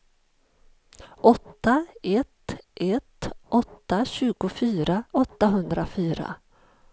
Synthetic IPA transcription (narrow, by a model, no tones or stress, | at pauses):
ʔɔt̪ːaɛt̪ʔɛt̪ʔɔt̪ːaɕʉ̟ːɡʊfyːɾaɔt̪ːaɦɵnd̪ɾafyːɾa̰